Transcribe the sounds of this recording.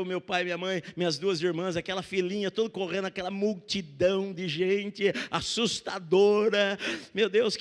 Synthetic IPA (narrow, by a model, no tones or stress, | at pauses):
wmewpajmĩɲɐmɐ̃j̃mĩɲɐzd̪uɐziɾmɐ̃zakɛlɐfilĩɲɐt̪od̪ʊkoʁẽd̪akɛlɐmuwt͡ʃid̪ɐ̃w̃d͡ʒɪʒẽnt͡ʃɪasust̪ad̪oɾɐmewd̪ewsk